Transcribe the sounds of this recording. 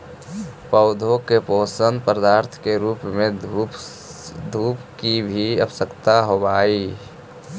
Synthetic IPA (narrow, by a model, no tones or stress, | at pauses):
pəʊd̪ʱõkepoːsənpəɾd̪aːɾt̪ʰkeɾuːpmẽ | d̪ʱuːpkibʱiəpsəkt̪aɦobaːi